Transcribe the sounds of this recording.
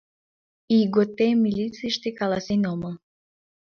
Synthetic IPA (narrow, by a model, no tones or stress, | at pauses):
iɡot̪emilʲit͡siʃt̪ekalasenʲoməl